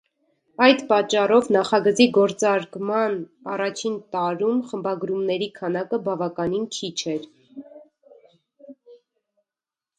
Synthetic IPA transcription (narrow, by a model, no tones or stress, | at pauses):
ɑjd̪pɑt͡ʃːɑrɔvnɑχɑɡət͡siɡɔɾt͡sɑɾkmɑnɑrɑt͡ʃʰint̪ɑɾumχəmbɑɡɾumnɛɾikʰɑnɑkəbɑvɑkɑninkʰit͡ʃʰɛɾ